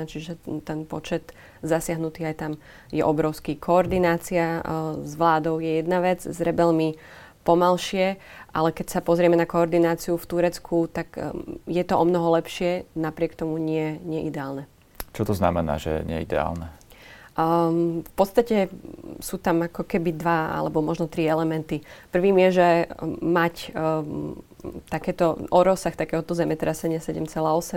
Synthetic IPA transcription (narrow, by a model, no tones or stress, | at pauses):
t͡ʃiʒɛt̪ɛnpɔt͡ʃɛt̪ | zasɪaɦnut̪iːajt̪am | jɛ̰ʔɔbɾɔʊskikʰɔɔɾd̪inaːt͡siazʋlaːd̪ɔʊjɛjɛd̪naʋɛd͡zzɾɛbɛlmi | pɔmalʃɪɛ | ʔalɛkɛcsapɔzɾɪɛmɛnakɔɔɾd̪inaːt͡siuft̪uɾɛt͡skʰut̪aɡjɛt̪ɔɔmnɔɦɔlɛpʃɪɛnapɾɪɛkt̪ɔmuɲɪɛɲɪɛʔid̪ɛaːlnɛ | t͡ʃɔt̪ɔznamɛna̰ːʒɛ̰ɲɪɛ̰id̪ɛ̰a̰ːlnɛ | fpɔt̪st̪acɛsuːt̪amakɔkɛbid̪ʋaa̰lɛbɔmɔʒnɔt̪ɾiɛlɛmɛnt̪ipr̩ʋiːmjɛʒɛmac | t̪akɛːt̪ɔɔɾɔsaxt̪akɛːɦɔt̪ɔzɛmɛt̪ɾɛsɛɲɪasɛɟɛmt͡sɛlaːɔsɛm